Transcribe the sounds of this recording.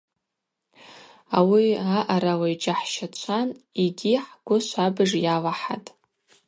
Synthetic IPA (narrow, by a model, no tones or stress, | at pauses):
awiaʔaɾawaid͡ʒaħʃat͡ɕʷʰaniɡʲiħɡʷʊʃʷabɨʐjalaħatʼ